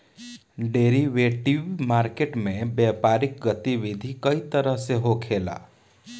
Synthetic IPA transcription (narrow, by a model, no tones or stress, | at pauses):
ɖeɾiʋeʈiʋmaɾkeʈmẽbjɛpaɾik̚ɡət̪iʋid̪ʱikəit̪əɾəɦseɦokʰela̰